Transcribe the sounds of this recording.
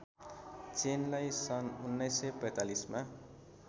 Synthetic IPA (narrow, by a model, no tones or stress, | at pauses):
t͡senlajsʌnunːʌjsːʌpʌjt̪alisma